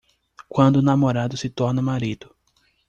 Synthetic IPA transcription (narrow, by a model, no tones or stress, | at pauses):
kwɐ̃nd̪ʊːnamoɾad̪ʊsɪt̪ɔɾnɐmaɾid̪ʊ